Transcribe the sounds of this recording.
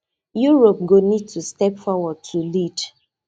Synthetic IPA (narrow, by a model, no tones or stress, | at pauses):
juɹop̚ɡonid̚tʰustɛpfɔwɔd̚tʰulid